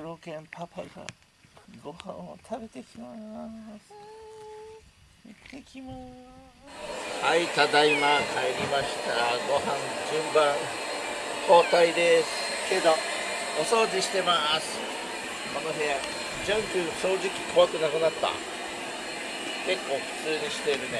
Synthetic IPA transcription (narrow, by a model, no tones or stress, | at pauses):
ɯɾokẽmpʰapʰa̰ɡa̰ | ɡo̞hã̰ɰ̃ot̪ʰabe̞t̪e̞kʲʰimas | et̪ːekʲima | hait̪ad̪aimakʰaeɾʲimaɕi̥t̪aɡo̞ɦãnd͡ʑɨ̃mbãŋ | kʰo̞ːt̪aid̪e̞sɨ̥ | ke̞d̪o̞ | oso̞ːd͡ʑiɕi̥t̪e̞masɨ̥ | konoɦẽ | d͡ʑãŋkʲɯɕo̞ːʑikʲi̥kʰo̞βakɯ̟nakɯ̟nat̪ːa̰ | ke̞kːo̞ːɸɯ̟̥t͡sɨːɲ̟iɕi̥t̪e̞ɾɯ̟ne